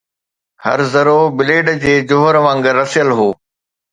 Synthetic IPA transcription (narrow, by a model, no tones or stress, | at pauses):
hɐ̰ɾzɐɾobɪleːɖd͡ʑeːd͡ʑoɦəɾʋãːŋɡəɾɐsjəlɦoː